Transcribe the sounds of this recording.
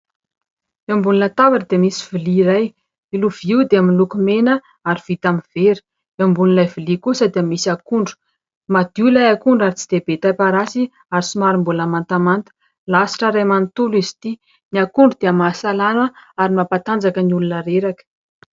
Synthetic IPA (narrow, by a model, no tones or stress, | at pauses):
embuninat̪avaʈ͡ʂəd̪eamisiviliːɾaj | iluviwd̪eaminlukumenə | aɾiv̥it̪amiveɾi̥ | embunilajvilikusəd̪iəmisiakuɳɖ͡ʐu̥ | mad̪̥ulajakuɳɖ͡ʐaɾit͡si̥d̪̥ebet̪apaɾasi | aɾisimaɾimbulamant̪amant̪ə̥ | lasi̥ʈ͡ʂaɾajmant̪ulizi̥t̪i | niakuɳɖ͡ʐud̪̥eamaːsalanəaɾimapat̪and͡zakəniulunaɾeɾakə̥